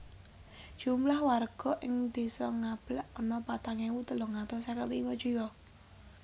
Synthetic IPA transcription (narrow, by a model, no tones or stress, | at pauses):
d̥ʒ̥umlahwarɡ̥ɔ̤ʔɪŋd̪̥esɔŋab̥lɛʔɔnɔpat̪aŋewut̪əlɔŋat̪ɔsakət̪iwɔd̥ʒ̥iwɔ